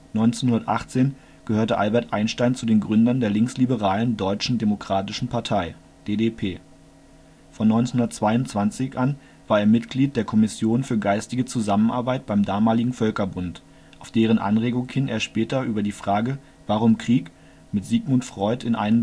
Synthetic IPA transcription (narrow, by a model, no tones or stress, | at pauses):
nɔʏnt͡senhʊndɐtʔa̰χt͡seːn | ɡ̥əhøːɐtəʔalbɛɐtʔaɪnʃtaɪnt͡sudeːnɡʁʏndɐndeːɐlɪŋkslibəʁ̞aːləndɔʏt͡ʃn̩demokʁ̥aːtɪʃn̩pʰaɐtʰaɪ | d̥eːdepʰeː | fɔnːɔʏnt͡snhʊndɐtt͡sv̥aɪʊntt͡sv̥ant͡sɪçʔan | v̥aːɐeːɐmɪtɡ̥liːt̚d̥eːɐkʰɔmɪsjoːnfyːɐɡaɪstɪɡət͡suzamənʔa̰ɐbaɪt̚b̥aɪmdaːmaːlɪɡŋ̩fœlkɐbʊnt | ʔaʊfd̥eːʁ̞ənʔa̰nʁeːɡʊŋhɪnḛːɐʃpɛːtɐʔyːbɐdiːfʁ̥aːɡə | vaʁ̞ʊmkʁ̥iːk | mɪtz̥iːɡmʊntfʁ̥ɔʏtɪnʔa̰ɪnə